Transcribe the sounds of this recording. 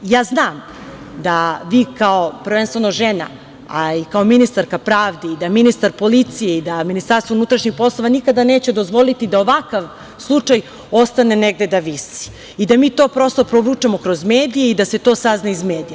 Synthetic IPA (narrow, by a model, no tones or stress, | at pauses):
jaːznaːm | d̪aʋiːkaopɾ̩ʋenst̪venoʒena̰ | a̰ikao̞minist̪aɾkapɾaːʋd̪eid̪aminist̪aɾpolit̪sijeid̪aminist̪aɾst̪ounut̪ɾaʃɲixpo̞slˠo̞ʋanikad̪ane̞ːt͡ɕed̪ozʋo̞lit̪id̪ao̞ʋakaʋ | slˠut͡ʂaj | o̞st̪ane̞neɡ̚d̪e̞d̪aʋisi̥ | id̪amiːt̪oːpɾo̞st̪opɾovɾut͡ʂamo̞kɾo̞zmeːd̪ijeid̪ase̞t̪o̞ːsaznaizmeːd̪ija